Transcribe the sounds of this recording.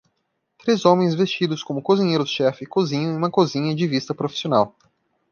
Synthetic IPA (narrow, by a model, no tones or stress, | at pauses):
t̪ɾezõmẽj̃zvest͡ʃid̪ʊskõmʊkozĩɲejɾʊʃɛfɪkozĩɲɐ̃ũmɐkozĩɲɐd͡ʒɪvist̪ɐpɾofisionaw